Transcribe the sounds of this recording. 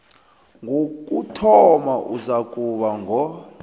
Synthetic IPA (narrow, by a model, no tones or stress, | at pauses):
ŋɡʱokʼutʰɔmaʔuzakʼuɓaŋɡʱɔ